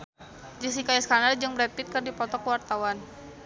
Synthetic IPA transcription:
d͡ʒəs̬ikajaskanard͡ʒɨŋbɾɛt̪̚pɪt̪̚kɨrdipɔt̪ɔkəwart̪awan

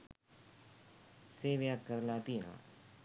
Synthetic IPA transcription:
seːʋɪjaːkəɾlaːt̪iːnã̰ː

